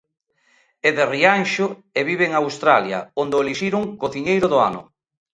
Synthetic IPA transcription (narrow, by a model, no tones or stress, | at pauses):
eðerianʃʊeβiβeːŋawst̪ɾaljɐ̰ond̪oeliʃiɾʊŋkoθiɲejɾʊðʊa̰nʊ̰